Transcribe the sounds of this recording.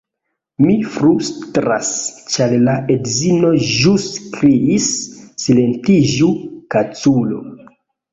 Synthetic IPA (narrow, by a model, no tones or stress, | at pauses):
mifɾustɾa̰st͡ʃallaʔedzino̞ʒuskɾiisːile̞ntid͡ʒukat͡sulo